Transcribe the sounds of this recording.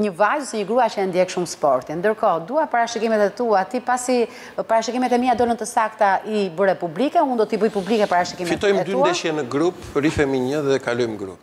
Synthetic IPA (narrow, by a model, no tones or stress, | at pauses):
ɲəvajsɛɲəɡɾuat͡ʃəɛnd̪jɛkʃumspɔɾt̪ind̪əɾkɔd̪uapaɾaʃikimɛt̪ɛt̪uat̪ipasi | paɾaʃikimɛt̪ɛmiad̪ɔlənt̪əsakt̪aibəɾɛpublikɛund̪ɔt̪ibəjpublikɛpaɾaʃikimfmit̪ɔjmɛtd̪yud̪ɛʃjɛnəɡɾupɾifɛmiɲəðɛkalɔjmɡɾṵp